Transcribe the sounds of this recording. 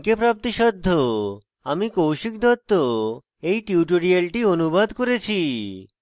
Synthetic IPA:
kepɾap̚t̪iʃɔd̪ʱːo | amikowʃik̚d̪ʱɔt̪ːo | ejʈiuʈoɾialʈionubad̪koɾet͡ɕʰi

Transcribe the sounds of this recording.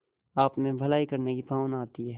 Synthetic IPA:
aːpnẽbʱɐlaːikɐɾnekipaːnaːt̪iɦɛː

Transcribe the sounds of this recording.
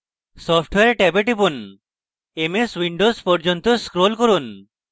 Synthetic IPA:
sɔpʰʈweeɾʈɛbeʈibun | emeswiɳɖospɔɾd͡ʒont̪oskɾolkoɾun

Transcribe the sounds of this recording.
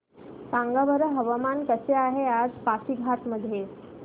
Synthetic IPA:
sãŋɡabəɾəɦəʋəmankəseaɦead͡zpasiɡʱaʈ̪məd̪ʱːje

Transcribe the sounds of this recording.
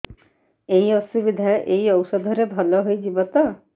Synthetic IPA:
eiɔsubid̪ʱajʔeiɔwsɔd̪ʱɔɾebʱɔlɔɦojd͡ʒibɔt̪ɔ

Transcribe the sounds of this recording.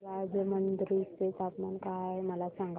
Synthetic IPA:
ajd͡zemənd̪ɾit̪et̪apmankajməlasaŋɡ

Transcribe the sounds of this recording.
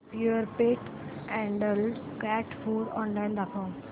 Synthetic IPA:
pjuəɾpeʈɛ̃ɳɖəlɖkɛʈfuːɾɔ̰̃ːnlajnd̪akʰõː

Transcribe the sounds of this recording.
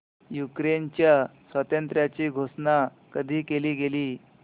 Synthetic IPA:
jukɾent͡ɕjasʋət̪ənt̪ɾjat͡ɕiːɡʱosna | kəd̪ʱiːkeliːɡeliː

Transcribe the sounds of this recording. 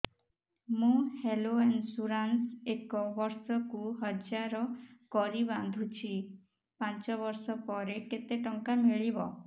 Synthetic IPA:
mũheloensuɾansekɔbɔɾsɔkuɦɔd͡ʒaɾɔkɔɾiband̪ʱut͡ʃʰi | pãnt͡ʃɔβɔɾsɔpɔɾeket̪eʈɔŋkamiɭibɔ̰

